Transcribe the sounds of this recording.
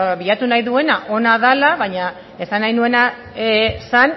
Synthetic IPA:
βiat̪unajðue̞naʔo̞naðalaβaɲa | e̞sanːajnue̞na | san

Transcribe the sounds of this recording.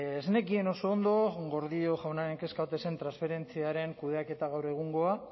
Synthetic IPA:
esne̞kie̞no̞so̞ːnd̪o̞ɣo̞ɾðio̞xʝawnaɾe̞ŋke̞skaot̪e̞se̞nt̪ɾansfe̞ɾe̞nt͡siaɾe̞ŋkuð̞eake̞t̪aɣawɾe̞ɣ̞uŋɡo̞a

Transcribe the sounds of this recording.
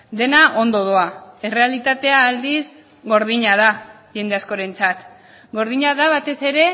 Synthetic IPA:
d̪e̞naʔo̞nd̪o̞ð̞oae̞re̞alit̪at̪e̞aːld̪iz | ɣo̞ɾðiɲað̞a | ʝe̞nd̪e̞asko̞ɾe̞nt͡sat̪ | ɡo̞ɾðiɲaðaβat̪e̞se̞ɾe̞

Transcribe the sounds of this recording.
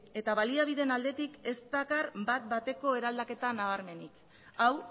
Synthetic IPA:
e̞t̪aβaliaβiðe̞nald̪e̞t̪ike̞st̪akarbat̪̚bat̪e̞ko̞e̞ɾald̪ake̞t̪anaβaɾme̞nik | aw

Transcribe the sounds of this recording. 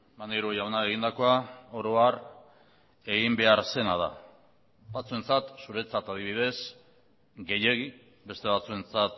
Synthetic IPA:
maneɾuojawnaeɣind̪ako̞aoɾo̞ar | e̞ɣimbe̞aɾse̞nað̞a̰ | bat͡sue̞nt͡sat̪suɾe̞t͡sat̪að̞iβiðe̞s | ɡe̞je̞ɣi | be̞st̪e̞β̞at͡sue̞nt͡sat̪

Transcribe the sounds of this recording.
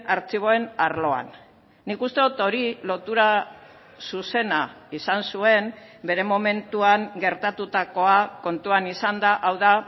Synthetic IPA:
aɾt͡siβ̞o̞e̞naɾlo̞a̰nː | ikust̪e̞ðot̪o̞ɾilo̞t̪uɾa | suse̞na | isansue̞mbe̞ɾe̞mo̞me̞nt̪uaŋɡe̞ɾt̪at̪ut̪ako̞ako̞nt̪uanisand̪aʔawða

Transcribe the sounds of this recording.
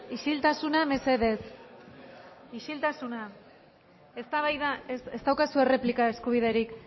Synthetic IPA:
iʃilt̪asuname̞se̞ðe̞s | iʃilt̪asuna | est̪aβajðasest̪awkasue̞re̞plikae̞skuβ̞iðe̞ɾik

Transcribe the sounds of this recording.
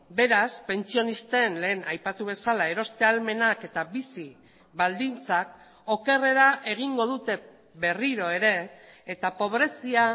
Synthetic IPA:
be̞ɾaspe̞nt͡sio̞nist̪e̞nle̞ːnajpat̪uβ̞e̞salae̞ɾo̞st̪e̞alme̞nake̞t̪abisi | βald̪int͡sak̚ | o̞ke̞re̞ɾaʔe̞ɣ̞iŋɡo̞ðut̪e̞ | be̞riɾo̞e̞ɾe̞ːt̪apo̞β̞ɾe̞sia

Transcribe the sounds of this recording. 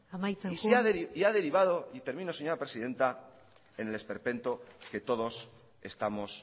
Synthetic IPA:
amajt͡seiseaðeɾiiaðe̞ɾiβaðo̞it̪e̞ɾmĩnose̞ɲo̞ɾapɾesiðe̞nt̪a | e̞ne̞le̞spe̞ɾpe̞nt̪oke̞t̪o̞ðo̞s | e̞st̪amo̞s

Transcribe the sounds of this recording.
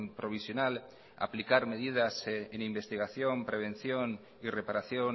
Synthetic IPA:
mpɾo̞β̞isjo̞nal | a̰plikaɾme̞ðið̞asenimbe̞st̪iɣaθjo̞mpɾe̞β̞e̞nθjon | ire̞paɾaθjo

